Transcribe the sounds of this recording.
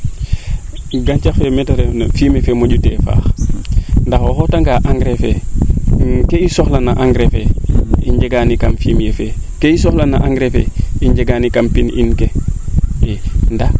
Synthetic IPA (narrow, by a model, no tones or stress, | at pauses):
ɡant͡ʃafemetoɾenfimefemoɟutefa̰ːx | ndaxoxotaŋɡaʔaŋɡɾefḛ | keisoxlanaʔaŋɡɾefeiɲɟeɡanikamfimjefe | keisoxlana̰ʔaŋɡɾefḛiɲɟeɡanikampinḭnke | enda